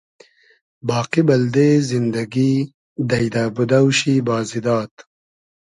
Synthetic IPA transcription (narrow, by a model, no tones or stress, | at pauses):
bɑːqibɐld̪ezind̪ɐɡi | d̪ɐjd̪aːbud̪awʃibaːzid̪ɑːt̪